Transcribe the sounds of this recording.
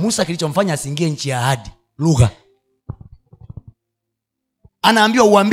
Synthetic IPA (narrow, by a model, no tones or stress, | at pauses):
musakilit͡ʃɔm̩faɲasiŋɡiɛɲ̩t͡ʃijaːhadi | luɣa | anaːmbiwauamb